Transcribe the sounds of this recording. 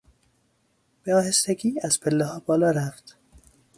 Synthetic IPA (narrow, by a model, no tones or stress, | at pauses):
b̥eɒːhest̪eɡiːæz̥pʰelːehɒːbɒːlɒːɾæft̪